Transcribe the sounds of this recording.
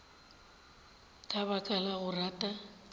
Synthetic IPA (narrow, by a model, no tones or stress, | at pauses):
kʼabakʼalaɣʊratʼa